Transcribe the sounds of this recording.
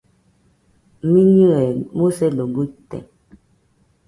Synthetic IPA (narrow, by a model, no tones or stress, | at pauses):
miɲiɛmosɛloɡutɛ̰